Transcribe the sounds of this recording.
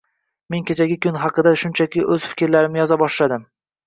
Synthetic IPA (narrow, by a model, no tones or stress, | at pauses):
me̞nkʲʰet͡ʃʰaɡʲɪkʲʰʊnɦɑqɨd̪aʃʊnt͡ʃʰakʲɪʔɵz̥fɪ̥kʲɾlaɾɪmɪjɒzabɒʃlad̪ɪm